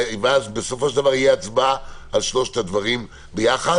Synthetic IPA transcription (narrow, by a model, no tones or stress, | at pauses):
veazbeso̞fo̞ʃeld̪avaʁijeat͡sbaalʃloʃet̪ad̪vaʁim | bejaχa